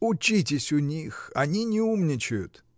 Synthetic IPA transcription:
ʊt͡ɕit̬ʲɪsʲʊnʲixɐnʲinʲɪumnʲɪt͡ɕɪjʊ̰t̪

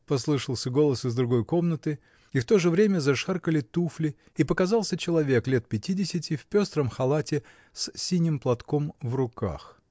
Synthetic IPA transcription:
pɐs̬lˠɨʂəlˠsʲəɡo̞lˠəsɨzd̪ɾʊɡo̞jko̞mnət̪ɨ | ift̪o̞ʐɨvɾʲemʲəzɐʂarkəlʲɪt̪uflʲɪ | ipəkɐzɑlˠsʲət͡ɕɪlˠɐvʲe̞klʲe̞t̪̚pʲɪtʲidʲɪsʲɪtʲɪfʲpʲo̞st̪ɾəmxɐlˠatʲɪ | ssʲinʲɪmplˠɐt̪komvrʊka̰x

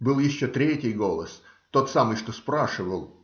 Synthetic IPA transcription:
bɨlˠjɪɕːot̪ɾʲetʲɪjɡo̞lˠəs | t̪o̞t̪samɨjʂt̪ospɾaʂɨvəlˠ

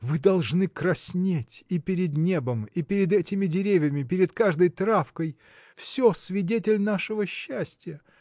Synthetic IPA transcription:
vɨd̪ɐlˠʐnɨkrɐsʲnʲetʲipʲɪɾʲɪd̪nʲe̞bəmipʲɪɾʲɪd̪ɛtʲɪmʲɪdʲɪɾʲevʲjɪmʲɪpʲɪɾʲɪd̪kaʐd̪əjt̪ɾafkəj | fsʲosvʲɪdʲetʲɪlʲnaʂɨvəɕːæsʲtʲɪjə

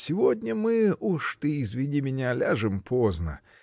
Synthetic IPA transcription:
sʲɪvod̪ʲnʲəmɨuʂt̪ɨizvʲɪdʲimʲɪnʲalʲaʐɨmpʰoznə̰

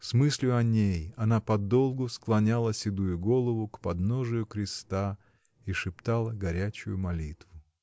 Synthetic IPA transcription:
smɨsʲlʲʊɐnʲejɐnapɐd̪o̞lˠɡʊsklˠɐnʲalˠəsʲɪd̪ujʊɡo̞lˠəvʊkpɐd̪noʐɨjʊkɾʲɪst̪a | iʂɨpt̪alˠəɡɐɾʲæt͡ɕʊ̰jʊmɐlʲit̪vʊ

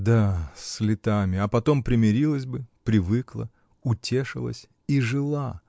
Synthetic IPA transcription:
d̪aslʲɪt̪amʲɪɐpɐt̪o̞mpɾʲɪmʲɪɾʲilˠəsʲbɨpɾʲɪvɨklˠə̰ | ʊtʲe̞ʂɨ̰lˠə̰sʲ | iʐɨlˠa

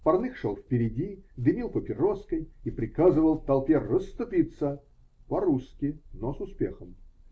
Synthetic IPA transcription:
pɐrnɨxʂolˠfpʲɪɾʲɪdʲid̪ɨmʲilˠpəpʲɪɾoskəjipɾʲɪkazɨvəlˠft̪ɐlˠpʲerəst̪ʊpʲit̪sə | pɐɾuskʲɪnosʊspʲexəm

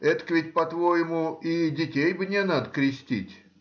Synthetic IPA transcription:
ɛt̪kvʲɪt̚ʲpɐt̪vojɪmʊidʲɪtʲejbnʲɛnad̪əkɾʲɪsʲtʲḭtʲ

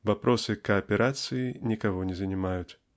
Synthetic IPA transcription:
vapɾʔɔsɨkɐɐpʲɛɾʔat̪sɨjinʲikaɣɔnʲɛzɐnʲimajut͡sʲ

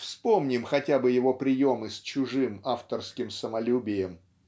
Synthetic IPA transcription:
fspo̞mnʲɪmxɐtʲabɨjɪvo̞pɾʲɪjo̞mɨsʲt͡ɕʊʐɨmaft̪ərskʲɪmsəmɐlʲubʲɪjəm

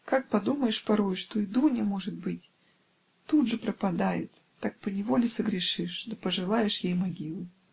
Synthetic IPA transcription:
kak̚pɐd̪uməjɪʂpɐɾojʂt̪o̞ɪd̪unʲɪmo̞ʐɨt̪̚bɨtʲ | t̪ud̪ʐɨpɾəpɐd̪ajɪt̪ːak̚pənʲɪvo̞lʲɪsəɡɾʲɪʂɨʂd̪əpəʐɨlˠajɪʂjejmɐɡʲilˠʊ

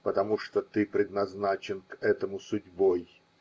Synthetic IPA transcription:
pət̪ɐmuʂt̪ot̪ɨpɾʲɪd̪nɐznat͡ɕɪnkɛt̪əmʊsʊdʲboj

